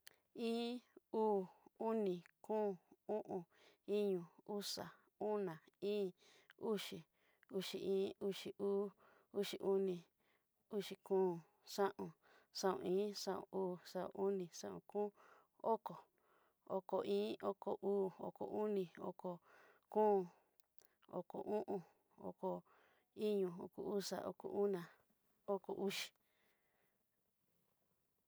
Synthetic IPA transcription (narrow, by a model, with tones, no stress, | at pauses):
ĩː˦uː˦˨u˦nĩ˧˨kũː˦ũ˦ʔũ˧ | i˦ɲũ˧u˦sa̰˨ | u˦nã˨ĩː˦ | u˦ʂi˨ | u˦ʂi˨ʔĩː˦u˦ʂi˧ʔuː˦ | u˦ʂi˨ʔu˦nĩ˧ | u˦ʂi˧˨kũː˦ | sã˦ʔũ˨ | ʂã˦ṵ̃˧ĩː˦ʂã˦˨õ̰˨uː˦˨ʂã˦õ̰˨ʔu˦nĩ˧˨ʂã˦ʔṵ̃˧˨kũː˦ | o˦ko˨ | o˧ko˨ĩː˦o˦ko˨ʔuː˦o̰˧ko̰˨ʔu˦nĩ˧o̰˧ko˨ | kũː˦˨ | o̰˨ko̰˨ʔũ˦ʔũ˧ | o̰˧ko˨ | i˦ɲũ˧o̰˧˨kṵ˨u˦ʂa̰˨ʔo̰˧ko̰˨ʔu˦nã˨ | o˦ko˨ʔu˦ʃi̥˨